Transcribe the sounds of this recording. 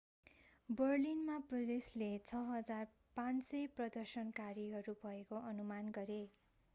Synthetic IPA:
bʌrlinmaprʌleslet͡sʰʌɦʌd͡zar | pãnsʌprʌd̪ʌrsʌnkaɾiɦʌɾubʱʌekoʔʌnumanɡʌɾe

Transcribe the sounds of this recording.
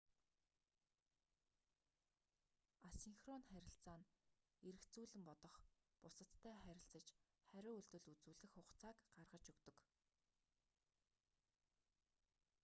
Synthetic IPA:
asiŋxrɔnχæɾʲɪ̆ɬt͡saːn | eɾɘ̆kt͡suːɮɘ̆mpɔt̪ɞ̆χpʊsə̆t̪t̪ʰːæːχæɾʲɪ̆ɬt͡sə̆t͡ɕχæɾʲʊːɵɮt̪ɵ̆ɮut͡suːɮɘ̆xʊχt͡saːkɢarʁə̆t͡ɕɵkt̪ɵ̆k

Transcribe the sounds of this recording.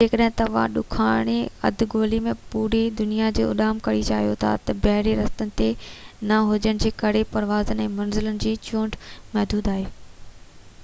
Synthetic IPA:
d͡ʑeːkəɗɦɪ̃t̪ɐʋ̤ã̰ɗʊ̰kʰaːɽ̃eɐ̰d̪ʱɡoːlimẽpuːɾid̪ʊnijad͡ʑḛːʊ̰ɗaːmkɐɽit͡ɕaːɦijot̪ʰa̰t̪ɐbɐɦɽeɾɐst̪ənɪ̆t̪enɐɦʊd͡ʑəɽ̃d͡ʑeːkɐɾepɐɾʋaːzənɛ̃ːmɐnzɪlənɪ̆d͡ʑiːt͡ɕũːɳʈmɐɦd̪uːd̪aːɦeː

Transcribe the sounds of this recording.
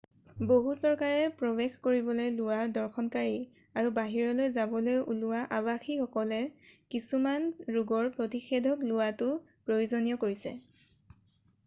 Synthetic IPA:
boɦusɔɹkaɹɛpɹɔbexkoɹibɔlojlʊwadɔɹxɔnkaɹi | aɹubaɦiɹɔlojzabɔlojʔulʊwaʔabaxixɔkɔlɛkisumanɹuɡɔɹpɹotixedʱɔklʊwatʊ | pɹojuzonijɔkoɹisɛ̰

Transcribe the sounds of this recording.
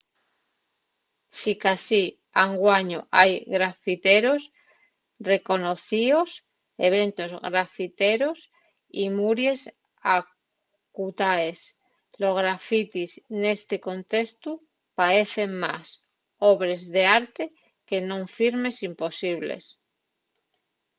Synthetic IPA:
sikasi | aŋɡwaɲoʔajɣɾafit̪eɾo̞s | re̞ko̞noθios | e̞β̞e̞nt̪o̞zɣɾafit̪eɾos | imuɾje̞s | a | kut̪aes | lo̞zɣɾafit̪isne̞st̪eko̞nt̪e̞st̪u | paɾe̞θe̞ŋmas | oβɾe̞zðe̞aɾt̪e̞ | ke̞nõ̞ɱfiɾme̞simpo̞siβlḛs

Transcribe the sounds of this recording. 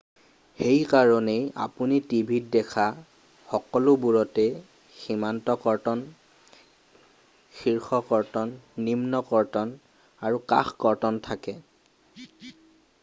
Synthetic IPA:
xejkaɹɔneja̰punitibʱit̚dɛkʰa | xɔkɔlʊbuɹɔtɛ | ximantɔkɔɹtɔn | xiɹxɔkɔɹtɔnːimnɔkɔɹtɔn | aɹuka̰xkɔɹtɔntʰakɛ

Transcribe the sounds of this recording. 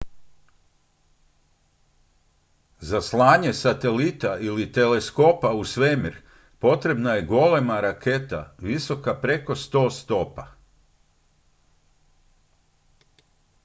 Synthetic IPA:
zaslˠaːɲe̞sat̪e̞lit̪ailit̪e̞le̞sko̞pausʋemiɾ | po̞t̪ɾe̞bnaje̞ɡo̞le̞maɾakʰe̞t̪a̰ʋiso̞kapɾe̞ko̞st̪o̞ːst̪o̞pa

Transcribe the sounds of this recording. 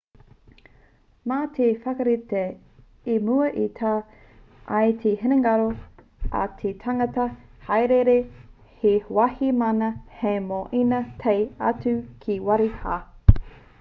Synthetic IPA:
maːtʰefɐkɐɾite | imuɐʔitʰaː | ɐjt̪ʰeheneŋɐɾo | ɐ̰t̪ʰetʰaŋɐtɐhajɾeɾe | hewahimɐnɐhemoʔinɐtʰejɐ̰t͡sʉkʰiwɐɾihaː

